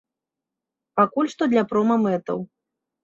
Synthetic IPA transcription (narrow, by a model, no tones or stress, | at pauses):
pakulʲʂt̪ɔd̪lʲɐpɾɔmɐmɛt̪ɐ̰w